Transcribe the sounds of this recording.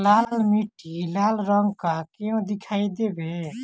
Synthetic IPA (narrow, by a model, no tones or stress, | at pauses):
lalmiʈilalɾəŋɡkakeõd̪ikʰaijd̪ebe